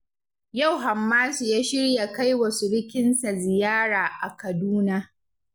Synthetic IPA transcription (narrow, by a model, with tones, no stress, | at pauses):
ja˦˨wɦa˨mːaː˦su˨jaː˦ʃɪ˦ɽja˨ka˦jwɐ˨su˨ɽɪ˦kʲɪ˦nsa˨zɪ˨jaː˦ɽaː˨ʔa˨kɐ˨duː˦na˦